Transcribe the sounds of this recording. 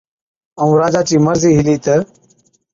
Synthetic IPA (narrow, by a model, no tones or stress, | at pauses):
əũːɾaːd͡ʒaːt͡ʃiːməɾziːɦɪliːt̪əɾ